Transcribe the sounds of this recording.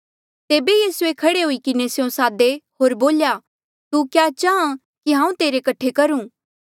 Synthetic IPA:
t̪eːbejiːsuekʰɐɽeɦʊikɪnesɪjõsaːd̪eɦoːɾboːlja | t̪ukjaːt͡ʃaːã | kiɦãːũt̪eːɾekɐʈʰːekɐɾũː

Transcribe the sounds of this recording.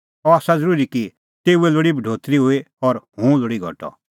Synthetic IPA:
ɔaːsazəɾuːɾiki | t̪eːueloɽibʱɖʱoːt̪ɾiɦʊe | ɔɾɦũːloɽiɡʱɔ̰ʈɔ̰

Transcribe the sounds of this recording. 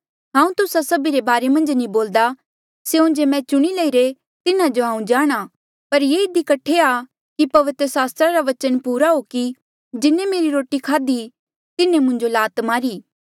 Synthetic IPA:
ɦãːũt̪ʊsasɐbiɾebaːɾemɐ̃nd͡ʒnĩboːld̪a | seʊ̃d͡ʒemɛ̃t͡ʃʊɽ̃ilɐiɾe | t̪ɪnãd͡ʒoãːũd͡ʒaːɽ̃a | pɐɾjeːɪd̪ikɐʈʰːea | kipɐʋɪt̪ɾəsaːst̪ɾaɾaʋɐt͡ʃənpuːɾaɦoːki | d͡ʒɪnẽmeːɾiɾoːʈikʰaːd̪i | t̪ɪnẽmʊ̃ɲd͡ʒolaːt̪maːɾiː

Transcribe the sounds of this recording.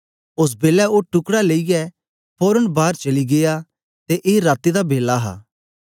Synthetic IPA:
ʊs̬beːlɛoːʈʊkɽaleːijɛ | pʰoːɾəɳbaːɾt͡ʃɐliɡeja | t̪eʔeːɾaːt̪id̪abeːlːaɦa̰ː

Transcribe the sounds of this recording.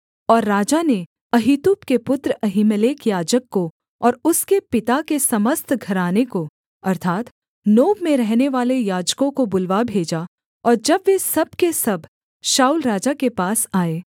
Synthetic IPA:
ɔːɾːaːd͡ʒane | ɐɦit̪uːpkepʊt̪ɾəɐɦimleːkjaːd͡ʒəkːo | ɔːɾʊskepɪt̪akesɐməst̪ʰɡʱɐɾaːneko | ɐɾt̪ʰaːt̪ | noːbmẽɾɛɦneʋaːlejaːd͡ʒkõkobʊlʋabʱeːd͡ʒa | ɔːɾd͡ʒɐbʋesɐb̚kesɐbʱ | ʃaːulɾaːd͡ʒakepaːsaːeː

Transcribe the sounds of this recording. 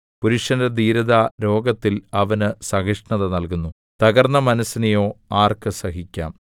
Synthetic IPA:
puɾuʂɐndɐd̪iːɾɐðaːɾo̞ːɡɐt̪ːilɐʋɐnɨsɐɦiʂɳɐðɐnɐlkunːu | t̪ɐɣɐrnːɐmɐnɐsːinɐjo̞ːaːrkɨsɐɦikʲːa̰ːm

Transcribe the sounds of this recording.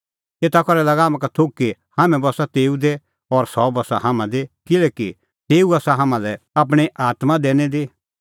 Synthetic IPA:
eːt̪akɔɾɛlɐɡaamãkat̪ʰokkːihaːmɛ̃bɔsat̪eːud̪e | ɔɾsɔbɐsa̰ɦamãd̪ekɪlɛːki | t̪eːuɐsaɦaːmãlɛ | ap̬ɽ̃eʔaːt̪mãd̪eːñɛd̪e

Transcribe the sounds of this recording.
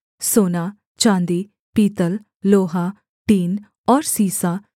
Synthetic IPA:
soːnaː | t͡ʃãːnd̪iː | piːt̪əl | loːɦaː | ʈiːn | ɔːɾsiːsaː

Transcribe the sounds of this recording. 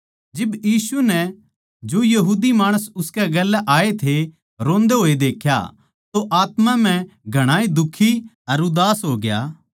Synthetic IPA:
d͡ʒɪbjiːsunɛ | d͡ʒoːjɐɦuːd̪imaːɽ̃əsʊskɛɡɛlːɛʔaːet̪ʰe | ɾõːnd̪eɦoːed̪eːkʰja̰ | t̪oʔaːt̪mãm̤ɛ̃ɡʱɐɽ̃aːid̪ʊkʰːi | ɐɾʊd̪aːsɦoːɡja̰ː

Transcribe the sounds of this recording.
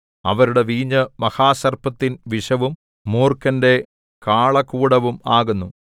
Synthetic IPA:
ɐ̰ʋɐɾuɽe̞ʋiːɲːɐmɐhaːsɐrpɐt̪ːinʋiʂɐʋum | muːrkɐnde̞ | kaːɭɐkuːɽɐʋumaːɣunːu

